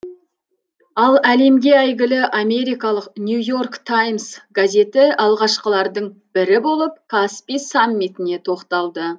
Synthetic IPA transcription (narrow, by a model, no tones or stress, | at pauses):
ɑlˠæle̞mɡʲe̞æjɡʲɪlɪʔame̞ɾijkɑlˠəqnʲjujo̞rkt̪ʰajmsɡazʲe̞t̪ɪɑlˠʁɑʃqəlˠɑɾd̪əɴb̥ɪɾɪbo̞lˠəp̚kʰaspisamːit̪ɪne̞t̪ʰo̞qt̪ɑlˠd̪ə